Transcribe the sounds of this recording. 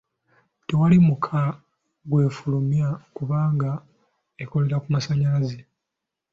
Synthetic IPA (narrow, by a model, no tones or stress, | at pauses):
te̞walimukʰa | ɡwe̞ːfulumjakuβaːŋɡa | eko̞le̞ɾakumasaɲalaze